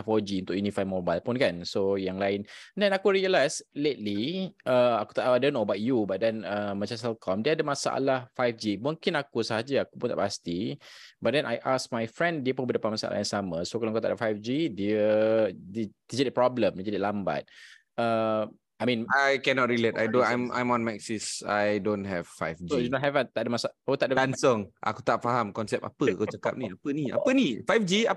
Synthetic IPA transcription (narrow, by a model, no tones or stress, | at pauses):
afɔlod͡ʒiunt̪ʊkjunifaj̚mɔbajlpʊnkansojaŋlaɪnndɛ̃nakuɹiəlajslet̚liʔəaku̥t̪aʔadõnːobat̚jubat̚dɛnəmãt͡ʃasɛlkʰɔmdiəadəmasa̰ʔa̰lahfajfd͡ʒimũŋkɪnakusəɦad͡ʒaakupunt̪a̰past̪ibat̚dɛnʔajʔasmajfɹɛ̃ndiəpunbədəpanmasa̰la̰jãŋsamə̃sokalawaŋkut̪aʔdəfajfd͡ʒidiəddid͡ʒadipɹɔbləmdid͡ʒədiʔlamba̰t̚ | ə | ajmĩnajkɛnɔt̚ɹilet̚ajdoãjmã̰jmɔ̃nmɛksisa̰jdõnɦɛv̥fa̰jfd͡ʒounɔt̚hɛvat̪aʔdəmasaakut̪aʔ̚dədansɔŋʔa̰kut̪aʔfaɦamkɔnsɛp̚a̰pəakat͡ʃaka̰p̚niapənia̰pənifajfd͡ʒia